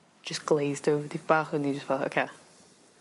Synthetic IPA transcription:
d͡ʒ̥ʌsɡ̥leɪzdoʊvəðivb̥aˑχə̃nid͡ʒʌstfɛlˠto̰ʊkʰe

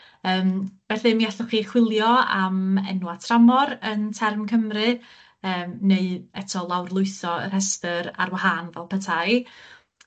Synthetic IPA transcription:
əːmb̥ɛθɨmiaɬɔχiːχwɪlˠjɔa̰mɛ̰nwatʰramɔɾəntʰɛrmkʰəmrɨ | əːmneɨɛtʰɔlˠawrlˠʊɨθɔə̰r̥hɛstəɾa̰rwaɦanvɛlˠpʰətʰaj

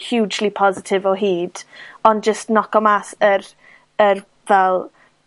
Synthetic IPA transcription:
hjuːd͡ʒlipʰɔzɪtʰɪvɔɦiːd̥ɔnd͡ʒəstnɔkɔmasəɾ | ər | vɛlˠ

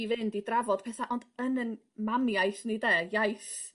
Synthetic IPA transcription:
ivɨndidravɔd̥̚pʰɛθaʔɔndənən | mamjajθnidɛjajθ

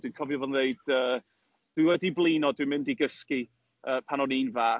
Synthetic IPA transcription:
d̥winkʰɔvjɔvɛneɨd̥əː | d̥wɪwɛdiblˠiːnɔdwɨmɪndiɡəski | əːpʰanɔniːnvaː

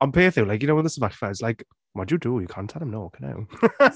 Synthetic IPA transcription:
ɔ̃npʰeːθɪ̃lajkjənoʊwəðɪsəvaɬfaz̥laɪk | wadjədujəkʰãːntʰɛlˠə̃mnoːkʰana̰w

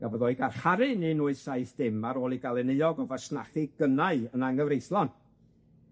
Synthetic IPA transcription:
ɡavɔðɔːɨɡarχaɾɪninuɨsaɨθd̥ɪmaɾoːlˠiɡalˠɛnəɨɔɡɔvasnaχiɡənaɨənaŋɡəvrejθlˠɔn

